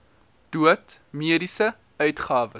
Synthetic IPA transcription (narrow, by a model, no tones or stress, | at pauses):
d̥uətmiəɾisə | œɥtχɑːvə